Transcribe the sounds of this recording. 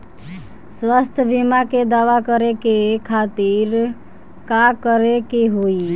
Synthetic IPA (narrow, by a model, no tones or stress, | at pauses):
swast̪ʰəbimaked̪aʋakəɾekekʰat̪iɾ | kakəɾekeɦoi